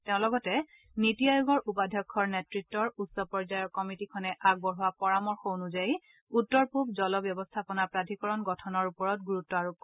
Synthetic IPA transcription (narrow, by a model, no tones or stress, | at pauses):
teʊ̃lɔɡɔtɛ | nitiajoɡɔɹʔupadʱjɔkʰːɔɹnetɹitːɔɹutsɔpɔɹzajɔɹkɔmitikʰɔnɛʔaɡ̚bɔɹɦuwapɔɹamɔɹxownuzaj | utːɔɹpup̚zɔlɔbjɔbɔstʰapɔnapɹadʱikɔɹɔnɡɔtʰɔnɔɹupɔɹɔt̚ɡuɹutːɔaɹu